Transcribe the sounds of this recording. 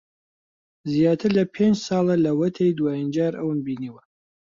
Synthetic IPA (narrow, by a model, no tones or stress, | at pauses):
zijaːt̪ʰɨɾlɐpʰend͡ʒsɑːlˠɐlɐwɐt̪ʰejd̪waːjind͡ʒaːɾʔɐ̰wɨnbiːniːwɐ